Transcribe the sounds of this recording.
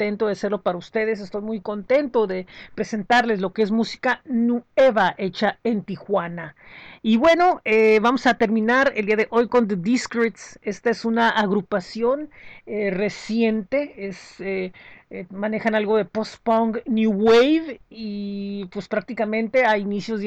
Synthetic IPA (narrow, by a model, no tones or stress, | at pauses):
t̪e̞nt̪oðease̞ɾlo̞paɾaust̪e̞ð̞e̞s̬e̞st̪o̞jmujko̞nt̪e̞nt̪o̞ðe̞pɾe̞se̞nt̪aɾle̞slo̞kees̬musi̥kanue̞βaʔe̞t͡ʃae̞nt̪ixwanaiβwe̞no̞eβamo̞sat̪e̞ɾmĩnaɾe̞ld̪iaðeʔo̞jko̞nd̪ed̪iskɾit̪se̞st̪aesunaʔːɣɾupasjo̞nere̞sje̞nt̪e̞ese | mãne̞xanalɣo̞ðe̞po̞spoŋɡnjuwejvipwe̞spɾak̚t̪ikamẽ̞nt̪e̞ainisjo̞z